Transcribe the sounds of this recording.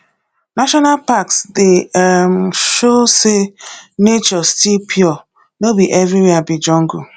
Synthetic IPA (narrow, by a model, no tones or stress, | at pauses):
naʃɔnalpaksdem̩ʃosenet͡ʃɔstipʰjɔ | nobiʔɛvɾiweabid͡ʒɔŋ̩ɡu